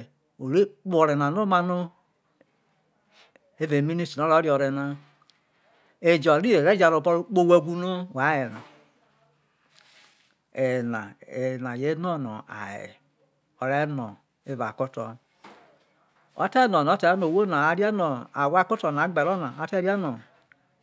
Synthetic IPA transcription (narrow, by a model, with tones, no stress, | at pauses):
o˨ɾe˦k͡po˨ɾe˨na˨no˦ma˦no˦ | e˦ve˨mi˦ni˦ti˨o˦ɾo˦ɾjɔ˨ɾe˨na˦ | e˨d͡ʒɔ˨ɾi˦e˨ɾe˦d͡ʒa˨ɾo˨bo˦ɾo˦k͡po˦we˦ɡʷu˦no˦wa˨˦je˨na̰˨ | e˨na˨e˨na˨je˦nɔ˦no̰˨a̰˨ḛ˨ | o˨ɾe˦no˨ | e˦va˨ko˦tɔ̰˨ | o̰˦te˦nɔ˨n˨o˦te˨˦no˨wo˦na˨a˦ɾi˦a˦no˨a˨wa˦˨ko˦to˨na˨˦ɡ͡be˨ɾo˦na˨a˦te˦ɾa˦no˨